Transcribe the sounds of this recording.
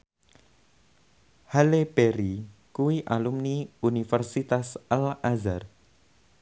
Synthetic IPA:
halepeɾikuwiʔalumniunifɛrsit̪asalazar

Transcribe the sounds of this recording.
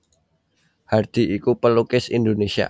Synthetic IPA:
hard̪̥iikupəlukɪsind̪onesia̰

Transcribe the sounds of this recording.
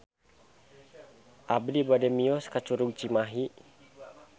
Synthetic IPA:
ʔablibadɛmiɔskat͡ʃuɾuɡt͡ʃimaɦi

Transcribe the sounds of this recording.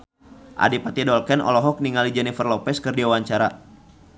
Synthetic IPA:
ʔa̰dipat̪idɔlkɛnɔ̰lɔɦɔk̚niŋalid͡ʒɛnifərlɔpɛskɨrdiawaɲt͡ʃaɾa

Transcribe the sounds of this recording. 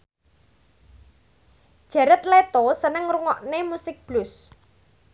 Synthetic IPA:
d̥ʒ̥ä̤ɾət̪̚let̪osənəŋruŋɔʔnemusɪk̚b̥lʊs

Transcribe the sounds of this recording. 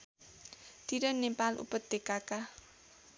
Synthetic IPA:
t̪iɾənːepalʔṵpət̪̚d̪ekaka

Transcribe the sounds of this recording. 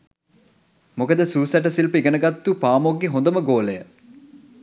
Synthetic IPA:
mokəd̪əsuːsæʈəsilpəiɡənəɡat̪ːupaːmoɡːeɦond̪əməɡoːləjə

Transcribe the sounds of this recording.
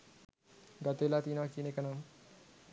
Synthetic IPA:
ɡat̪elat̪inakinekanam

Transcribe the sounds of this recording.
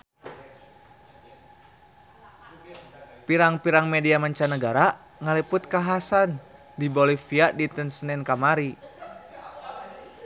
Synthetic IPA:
piɾaŋpiɾaŋmɛdiamaɲt͡ʃanəɡaɾa | ŋalipʊt̪̚kaɦasan | dibolifiadit̪ənsənɛnkamaɾi

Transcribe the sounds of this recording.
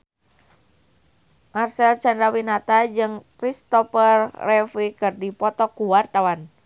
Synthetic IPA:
ʔarsɛlt͡ʃandɾawinat̪ad͡ʒɨŋkɾist̪ɔfərːɛfikɨrdipɔt̪ɔkuwart̪awan

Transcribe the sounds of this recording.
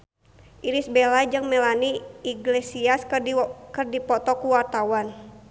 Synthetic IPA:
ʔiɾisbɛlad͡ʒɨŋmɛlaniːɡlesiaskɨrdipɔt̪ɔkuwart̪awan

